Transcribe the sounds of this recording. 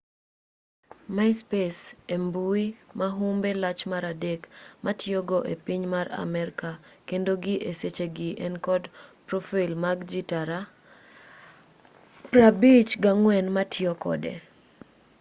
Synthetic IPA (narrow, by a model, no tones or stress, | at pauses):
maɪspesembuimaɦumbelat͡ʃmaɾadekmatɪoɡɔʔepiɲmaɾa̰mɛɾkakendoɡiʔeset͡ʃeɡiʔɛnkɔdpɾɔfalmaɡd͡ʒitaɾa | pɾabit͡ʃɡaŋwɛnmatʰɪokɔ̰dḛ